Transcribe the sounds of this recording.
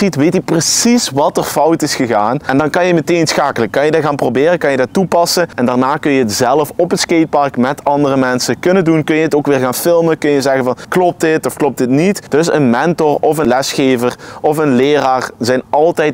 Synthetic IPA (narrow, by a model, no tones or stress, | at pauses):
itʋejtiprəsisʋɑtərfʌwtɪsxəɣaːnɛndɑnkɑnjəmətejnsxaːkələkːɑnjədɪtxaːnprowbɪːrəkɑnjədɪtːupɑsəɛndaːɹnaːkɵnjəətz̥ɛlˠəfɔpətskejt̚pɑrkmɛtɑndərəmɛnsəkɵnədunkɵnjəətoːkʋɪːɹɣaːnfɪlˠməkɵnjəzɛɣənvɑnklɔp̚tdɪtɔfklɔp̚tɪtnitd̥ɵsənmɛntɔrɔfənlɛsxeːvərʔɔfənlɪːraːɹzɛjnɑlˠtɛjt